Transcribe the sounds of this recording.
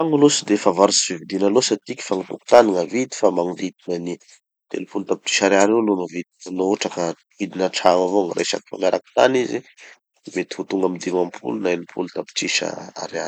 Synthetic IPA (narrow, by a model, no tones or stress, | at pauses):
aŋulosid̪efavaɾusi̥vivid̪inalosat̪ikʲi̥faŋit̪uku̥t̪aniŋavid̪i̥famaŋud̪id̪inani | t̪ḛlupulut̪api̥ʈ͡ʂi̥ʃaɾaɾewlonavid̪ianooʈ͡ʂakə | vid̪inaʈ͡ʂamavoŋɾʔa̰ʃa̰ki̥fa̰maɾʔakt̪a̰nizi | met̪i̥hut̪uŋɡamid̪imamipʰṵlunaelupʰult̪api̥t͡ʃiʃa̰a̰ɾea